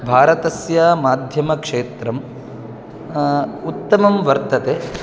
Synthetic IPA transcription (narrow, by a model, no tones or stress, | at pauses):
bʱaːɾɐt̪ɐsjaːmaːd̪ʱjɐmɐkʂeːt̪ɾɐm | ut̪ːɐmɐmʋɐɾt̪ɐt̪eː